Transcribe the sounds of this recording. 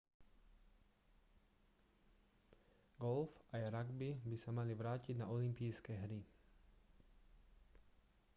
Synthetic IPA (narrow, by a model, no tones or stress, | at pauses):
ɡɔlfajɾaɡbibisamaliʋɾaːciɟnaʔɔlimpijskɛːɦɾi